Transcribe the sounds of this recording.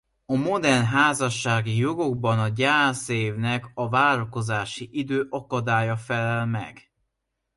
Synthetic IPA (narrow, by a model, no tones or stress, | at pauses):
ɒmo̞d̪ɛnɦaːzɒʃːaːɡijo̞ɡo̞ɡbɒnɒɟaːseːvnɛkɒvaːɾɒko̞zaːʃiʔid̪øːʔɒkɒd̪aːjɒfɛlɛlmɛ̰ɡ̥